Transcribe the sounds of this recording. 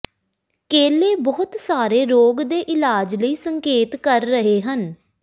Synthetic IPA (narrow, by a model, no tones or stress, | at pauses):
keːleːbɔːʊt̪saːɾeːɾoːɡd̪eːʔɪlaːd͡ʒləiːsəŋkeːt̪kəɾːəɦeːɦən